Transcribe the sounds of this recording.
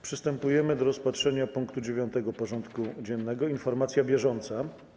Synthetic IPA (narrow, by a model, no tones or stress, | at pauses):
pʂɘst̪ɛmpujɛmɘd̪ɔɾɔspatʂɛɲapuŋkt̪ud͡ʑevʲjɔnt̪ɛɡɔpɔʐɔnt̪kud͡ʑɛnːɛɡɔinfɔɾmat̪sʲjabʲjɛʐɔnt̪sa